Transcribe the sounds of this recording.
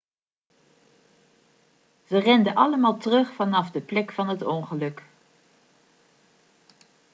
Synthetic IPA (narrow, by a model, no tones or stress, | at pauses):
z̥ərɛndəʔɑləmaːlˠtərɵχfɑnɑfdəplɛkfɑnɦətɔŋχəlɵk